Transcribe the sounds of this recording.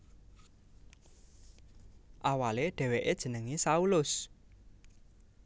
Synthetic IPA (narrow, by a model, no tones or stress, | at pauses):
ʔawaleɖ̥ɛ̤weʔed̥ʒ̥ə̤nəŋisaulʊs